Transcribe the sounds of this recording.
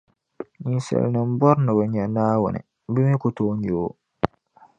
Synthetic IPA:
ɲi˨sɛ̰˨lnɨ˨m˦bɔ˦ɾnɨ˨ba˨ɲɛ˨naː˦wʊ̰˨nɨ̰˨ | bɨ˦mi˦kʊ˦toː˦ɲo˨o˦

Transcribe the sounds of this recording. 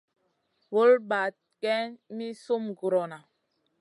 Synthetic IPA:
wo˦lba˨t̚kɛ˦mi˦so˦mɡu˨ɾo˨na˨

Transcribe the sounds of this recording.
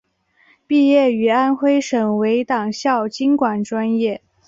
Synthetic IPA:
pi˥˧jɛ˥˩y˧˥a˥nxwe˥ɪʂɤ˨˩ŋwe˧˥ɪt̪ɑ˨˩ŋɕjɑ˥˩ʊt͡ɕi˥nkwa˨˩nʈ͡ʂwa˥njɛ˥˩

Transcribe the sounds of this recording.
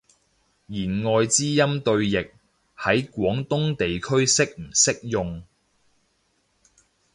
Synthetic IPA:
jiː˨˩nŋɔː˨˧jt͡siː˥jɐ˥mt̪ɵ˧ɥjɪ˨k̚ | hɐ˨˥jkʷɔː˨˥ŋt̪ʊ˥ŋt̪e˨jkʰɵ˥ɥsɪ˥k̚m̩˨˩sɪ˥k̚jʊ˨˧ŋ

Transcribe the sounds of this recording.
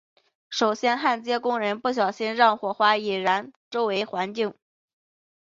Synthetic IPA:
ʂo˨˩ʊɕjɛ˥nxa˥˩nt͡ɕjɛ˥kʊ˥ŋɻə˧˥npu˥˩ɕ̬jɑ˨˩ʊɕi˥nɻɑ˥˩ŋxwɔ˨˩xwa˥i˨˩ɻa˧˥nʈ͡ʂo˥ʊwe˧˥ɪxwa˧˥nt͡ɕi˥˩ŋ

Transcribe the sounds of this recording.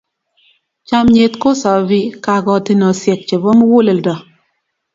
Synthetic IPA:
t͡ʃa˦mɲe˦t̪ko˦sɔ˨bi˦ka˨ɡɔ˨ti˦nɔ˨sje˨k̚t͡ʃe˨bo˦m˦wu˦le˨ldɔ˨

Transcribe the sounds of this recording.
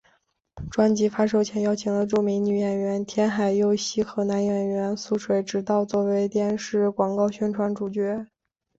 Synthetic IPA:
ʈ͡ʂwa˥nt͡ɕi˧˥fa˥ʂ̬o˥˩ʊt͡ɕʰjɛ˧˥ŋjɑ˥ʊt͡ɕʰi˧˥ŋlə˧ʈ͡ʂu˥˩mi˧˥ŋny˨˩jɛ˨˩nɥɛ˧˥nt̪ʰjɛ˥nxa˨˩ɪjo˥ʊɕi˥xɤ˧˥na˧˥njɥɛ˨˧˩nɥɛ˧˥nsu˥˩ʂwe˨˧˥ɪʈ͡ʂɻ̩˧˥t̪ɑ˥˧ʊt͡swɔ˥˩we˧˥ɪt̪jɛ˥˧nʂɻ̩˥˩kwɑ˨˩ŋkɑ˥˩ʊɕɥɛ˥nʈ͡ʂʰwa˧˥nʈ͡ʂu˨˩t͡ɕɥɛ˧˥

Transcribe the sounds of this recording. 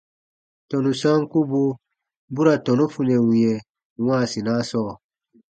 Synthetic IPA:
tɔ˨nu˨sã˦ŋ˦ku˦bo˦ | bu˦ɾa˨tɔ˨nu˦fu˨nɛ˨wĩ˨jɛ˨ | wã˦˨si˨na˦sɔː˦˨

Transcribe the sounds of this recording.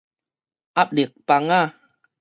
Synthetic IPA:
ʔa˦˥p̚de˨˩k̚pa˧ŋa˥˨

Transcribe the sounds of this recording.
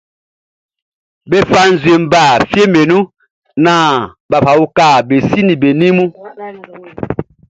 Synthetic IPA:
be˦fa˦n˨zwe˨m̩˦ba˦˨fje˦me˨nu˦ | naː˦˨ba˨fa˨u˦ka˦˨be˨si˦ni˨be˨ni˦mu˦

